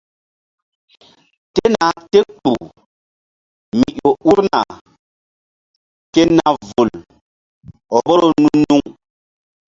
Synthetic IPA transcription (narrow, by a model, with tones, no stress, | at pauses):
te˦na˨˦te˦k͡pṵ˨ | mi˨ʔo˨u˦ɾna̰˨ | ke˦na˨vu˨l | ɔ˨bo˦ɾo˦nu˦nu˦ŋ